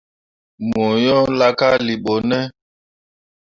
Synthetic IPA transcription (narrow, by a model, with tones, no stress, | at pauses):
mo˨jɔ̃˦la˦ka˦li˨ɓo˨nɛ˦